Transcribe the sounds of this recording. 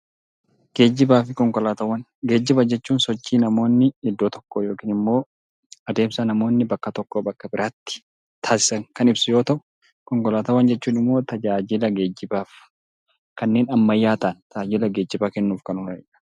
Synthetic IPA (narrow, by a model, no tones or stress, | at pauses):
ɡ̥e̞ːd͡ʒːɪbaːfɪkɔŋkɔlaːt̪ɐwːɐn | ɡe̞ːd͡ʒːɪbɐd͡ʒɛt͡ʃːuːnsɔt͡ʃːiːnɐmo̞ːnːɪɪd̪ːoːt̪ɔ̥kːojo̞ːkiːnɪmːo̞ː | ɐd̪e̞ːmsɐnɐmo̞ːnːɪbɐkːɐt̪ɔkːoːbɐkːɐbɪɾʔaːt̪ːɪ̥ | t̪ʰaːsɪ̥sɐŋkɐnɪbsʊjo̞ːt̪ɐʔʊ | kɔŋkɔlaːt̪ɐwːɐnd͡ʒɛt͡ʃːuːnɪmːo̞ːt̪ɐd͡ʒaːd͡ʒɪlɐɡe̞ːd͡ʒːɪbaːf | kɐnːe̞ːnɐmːɐjːaːt̪ɐːnt̪ɐd͡ʒaːd͡ʒɪlɐɡe̞ːd͡ʒːɪbaːkɛnːuːfkɐnʊnɐɛ̰ɐ̥